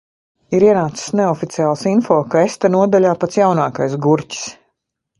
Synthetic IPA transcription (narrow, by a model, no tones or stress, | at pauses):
iɾiɛnaːt̪si̥sneɔfit̪siaːlˠasinfɔːkaest̪anuɔd̪alʲaːpat̪sjawnaːkajsɡuɾci̥s